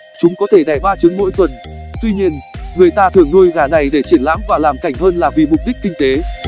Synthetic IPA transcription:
t͡ɕʊ˨˦ŋ͡mkɔ˨˦t̪ʰe˧˩ɗa˨˩jɓaː˧˩t͡ɕɨ˨˦ŋmo̰˧˥jt̪wə˨˩nt̪wi˧ɲi˧ənŋɨ˨˩əjt̪aː˧t̪ʰɨ˨˩əŋnu˧jɣaː˨˩na˨˩jɗe˧˩t͡ɕi˧˩ənla̰ː˧˥mkwaː˧˩laː˨˩mka˧˩jŋ̟həː˧nlaː˨˩vḭ˨˩mʊ˨˩k͡p̚ɗi˦˥k̟̚kï˧ŋ̟t̪e˨˦

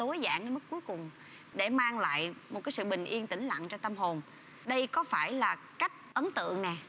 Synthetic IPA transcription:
t̪o˨˦jza̰ː˧˩ŋnə˧mɨ˦˥k̚ku˨˦jkʊ˨˩ŋ͡m | ɗe˧˩maː˧ŋla̰ː˧˨jmo˨˩t̚kaː˨˦sɨ̰˧˨ɓï˨˩ŋ̟ʔi˧ənt̪ï˧˩ŋ̟la̰˧˨nt͡ɕɔ˧t̪ə˧mɦo˨˩n | ɗə˧jkɔ˨˦faː˧˩jlaː˨˩ | ka˦˥jk̟̚ʔə˨˦nt̪ɨ̰˧˨əŋnɛ˨˩

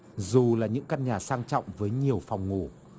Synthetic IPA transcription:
zu˨˩laː˨˩ɲɨ̰˧˥ŋka˧nɲaː˨˩saː˧ŋt͡ɕɔ̰˧˨wŋ͡mvəː˨˦jɲi˨˩əwfɔ˨˩wŋ͡mŋo˧˩

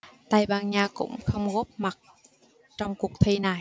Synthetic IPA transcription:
t̪a˧jɓaː˧nɲaː˧kʊ̰˧˥wŋ͡mxə˧wŋ͡mɣo˦˥p̚ma˨˩t̚ | t͡ɕɔ˧wŋ͡mku˨˩ək̚t̪ʰi˧na˨˩

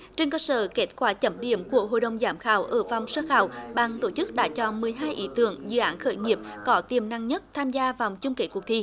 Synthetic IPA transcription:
t͡ɕe˧nkəː˧sə̰ː˧˩ke˦˥t̚kwaː˧˩t͡ɕə˧˦mɗḭ˧˩əmku˧˩əɦo̰˧˨jɗə˨˩wŋ͡mzaː˨˦mxaː˧˩˦wʔəː˧˩va˨˩wŋ͡msəː˧xaː˧˩wɓaː˨˩ŋt̪o˧˩t͡ɕɨ˦˥k̚ɗa̰ː˧˥t͡ɕɔ˧˩mɨ˨˩əjɦaː˧jʔḭ˨˦t̪ɨ̰˧˨əŋzɨ̰˧˨ʔaː˨˦nxəː˧˦jŋi˨˩əp̚kɔ˨˦t̪i˨˩əmna˧˨ŋɲə˦˥t̚t̪ʰaː˧mzaː˧vaː˨˩wt͡ɕʊ˧ŋ͡mke˧˦˥ku˨˩ət̪ʰi˧˩

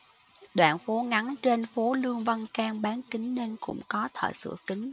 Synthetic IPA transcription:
ɗwa̰ː˧˨nfo˨˦ŋa˨˦nt͡ɕe˧nfo˨˦lɨ˧əŋvə˧nkaː˧ŋɓaː˨˦nkï˨˦ŋ̟ne˧nkʊ̰˧˥ŋ͡mkɔ˨˦t̪ʰə̰ː˧˨jsɨ̰˧˩əkï˨˦ŋ̟

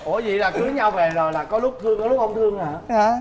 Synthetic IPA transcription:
ʔo˧˩zḭ˧˨laː˨˩kɨ˨˦ɲa˧wve˨˩zo˨˩jlaː˨˩kɔ˨˦lʊ˦˥k͡p̚t̪ʰɨ˧əŋkɔ˨˦lk͡p̚ʔə˧wŋ͡mt̪ʰɨ˧əŋaː˨˩aː˨˦

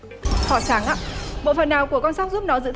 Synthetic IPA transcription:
hɔ˧˩saː˨˦ŋʔa̰ː˧˥ɓo̰˧˨fə˨˩nːaː˨˩wku˧˩əkɔ˧nsa˦˥wk͡p̚zu˦˥p̚nɔ˨˦zɨ̰˧˥t̪ʰ

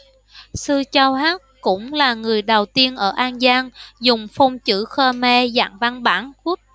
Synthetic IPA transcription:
sɨ˧t͡ɕa˧whaː˦˥t̚kʊ̰˧˥ŋ͡mlaː˨˩ŋɨ˨˩əjɗə˨˩wt̪i˧ənʔəː˧˩ʔaː˧nzaː˧ŋzʊ˨˩ŋ͡mfɔ˧wŋ͡mt͡ɕɨ̰˧˥xəː˧mɛ˧za̰ː˧˨ŋva˧nɓaː˧˩nku˦˥ət̚

